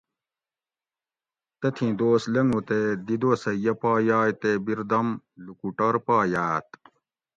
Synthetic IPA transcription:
t̪ɐt̪ʰĩd̪oːslɐŋɡũt̪ed̪id̪osɐjɐpaːjaːjt̪ebiɾd̪ɐm | lukuʈɐɾpaːjaːt̪

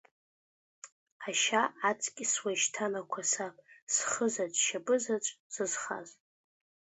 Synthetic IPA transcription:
aʃaʔat͡sʼkʲʼswaʃtʰanakʷʰasapʼsχəzat͡ʃʷʼʃabʼɨzat͡ʃʷʼz̥ɨzχa̰z

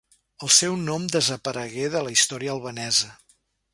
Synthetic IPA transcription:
əlˠsɛwnɔmd̪əzəpəɾəɣeðələist̪ɔɾiəːlˠβənɛzə

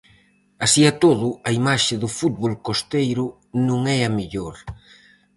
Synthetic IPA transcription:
asiat̪oðʊɐimaʃɪðʊfut̪̚βolkost̪ejɾʊ | nũŋɛɐmeʎoɾ

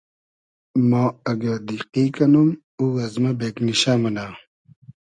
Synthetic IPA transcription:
maːɐɡad̪iqiːkɐnum | uɣɐzmɐbeːkniɕamɐnaː

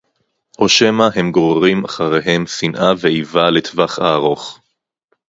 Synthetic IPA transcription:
ʔo̞ʃe̞mahe̞mɡoʁeʁimaχaʁeɦe̞msinʔaveivalet̪vaχaːʁo̞χ

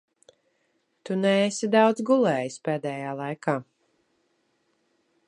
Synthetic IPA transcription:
t̪unɛesid̪awd̪zɡulˠɛːjispeːd̪ɛːjaːlˠajkaː

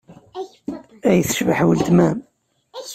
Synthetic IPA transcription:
æjəθə̥ʃvəħwəlt̪mæm

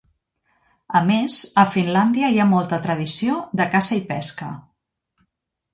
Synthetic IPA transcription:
əmezəfinland̪iəiamɔlˠt̪ət̪ɾəð̞isioðəkazəipɛskə

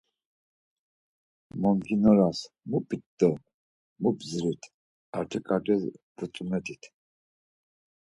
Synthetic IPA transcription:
mɔmɡinɔɾas | mupʼit̪ːə | mubzɾit̪ʰ | aɾt̪ʰɛkʼaʈɛz | but͡sʼumɛt̪ʰit̪ʰ

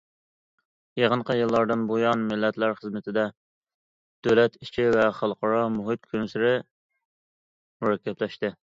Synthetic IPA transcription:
jeʁənqʰəjɨlˠːɑɾd̪ɨnbojɑnmɪlːɛt̪læɾχəzmɪt̪ʰɪd̪ɛ | d̪̥ølɛt̪it͡ʃʰivɛχɑlˠqʰɑɾɑmuɦɨt̪̚kʲʰønsyɾɪ | muɾɛkʲːɛplɛʃt̪ɨ

